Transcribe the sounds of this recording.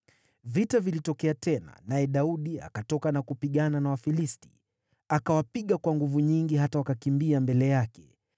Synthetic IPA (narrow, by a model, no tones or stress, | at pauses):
vitavilitɔkɛatɛna̰najɛɗauɗia̰katɔkanakupiɠananawafilisti̥̰ | akawapiɠakwaŋɡuvuɲiŋɡiɦatawakakimbiambɛlɛjakɛ̥